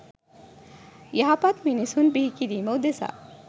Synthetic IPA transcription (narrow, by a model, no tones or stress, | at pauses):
jaɦapat̪minisunbiɦikiɾimowd̪esa̰